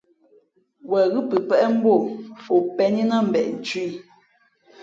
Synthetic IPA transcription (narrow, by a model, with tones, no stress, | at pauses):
wɛ˨ɣʉ˦pɨ˨pɛ˦ʔɛ˦m̩˦bo˦˨fo˨pɛ˦ɲi˦na˦˨m̩˨bɛ˨ʔn̩˨t͡ʃi˦i˦˨